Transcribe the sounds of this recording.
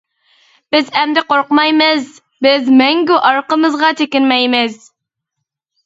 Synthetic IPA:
b̥ɪzæmd̪ɪqoɾqmɑjmɨz | bɪzmæŋɡʲyʔɑɾqəmɨzʁɑt̪ʰekʲɪnmɛjmɪz

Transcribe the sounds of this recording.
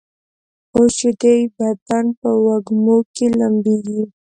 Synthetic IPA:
oʃid̪ejbat̪anpəwaɡmokelambeɡi

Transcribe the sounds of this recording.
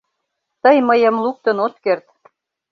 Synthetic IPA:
t̪əjməjə̆mluk̚t̪ə̆not̪kert̪

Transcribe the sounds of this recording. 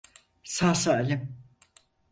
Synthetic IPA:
saːsalʲim

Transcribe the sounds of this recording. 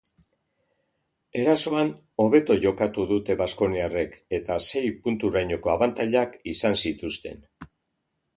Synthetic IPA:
e̞ɾaso̞an | o̞β̞e̞t̪o̞ʝo̞kat̪uðut̪e̞βasko̞niare̞ke̞t̪ase̞jpunt̪uɾajɲo̞ko̞aβant̪aʎakisansit̪ust̪e̞̰n

